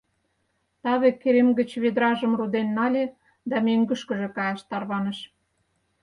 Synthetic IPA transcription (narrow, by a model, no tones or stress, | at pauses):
t̪ɑβekːeɾemɡə̆t͡ɕβed̪ɾɑʒə̆mrud̪enːɑlʲe | d̪ɑmøŋɡə̆ʃkə̆ʒĕkɑjɑʃt̪ɑrβɑnə̆ʃ